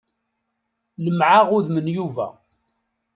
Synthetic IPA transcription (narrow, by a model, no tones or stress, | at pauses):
ləmʕaʁʊðmənjuvæ̰